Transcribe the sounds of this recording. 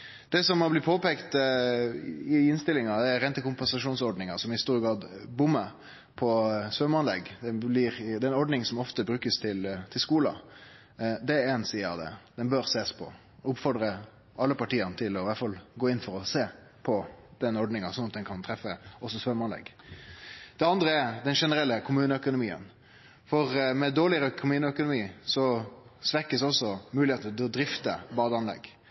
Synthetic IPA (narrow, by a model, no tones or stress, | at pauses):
d̪̥ɛsɔmɑblɪpʰoːpeːkt̪ | ɪɪnst̪ɪlɪŋɑd̪ɛɛɾɛnt̪əkʊmpɛnsɑʂuːnsɔɖ̪nɪŋɑsɔmɪhɪst̪uːɾɡɑːd̪bʊmːə | pʰɔsʋœmɑnlɛ̰ɡd̪ɛblɪɾd̪ɛɛnɔɾɖ̪nɪŋsɔmɔft̪əbɾʉːkəst̪ʰɪlt̪ʰɪlskuːlɑ̰ | d̪ɛɾɛnsiːɑ̰d̪ɛ̰d̪̥ɛnbøɾseːspʰɔ̰ | ʊpfɔɾd̪ɾə | ʔɑlːəpɑʈiːənət̪ʰɪlɔʋæʈfɑlɡoːɪnfɔɾɔseː | pʰɔd̪̥ɛnːɔɾɖ̪nɪŋɑsɔnɑt̪̚d̪ɛnkʰɑnt̪ʰɾɛfːəɔsːɔsʋœmɑnlɛ̰ɡ | d̪ɛɑnd̪ɾəɛɾd̪ɛnʂɛnəɾɛlːəkʰʊmʉːnəœkʊnʊmiːə̰n | fɔɾmɛd̪oːlɪɾœkʰʊmʉːnəœkʊnʊmiːsɔsʋɛkːəsɔsːɔmʉːlɪheːt̪ət̪ɪlɔd̪ɾɪft̪əbɑːd̪əɑnlɛ̰ɡ